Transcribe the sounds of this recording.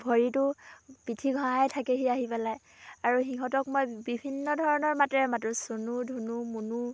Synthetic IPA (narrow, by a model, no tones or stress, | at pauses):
bʱɔɹitʊpitʰiɡʱɔ̃aɛtʰakeɦiaɦipalaj | aɹuxiɦɔtɔkmojbibʱinːɔdʱɔɹɔnɔɹmatɹɛmatɹusonudʱunumunu